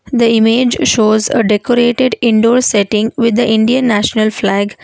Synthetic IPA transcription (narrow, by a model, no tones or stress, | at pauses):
d̪əɪmeːd͡ʒʃoːzəɖekoɾeːʈeɖɪ̃ɳɖoːɾsɛʈɪ̃ŋɡʋɪd̪ːəʔɪ̃ɳɖiə̃nːæʃnəlflæːɡ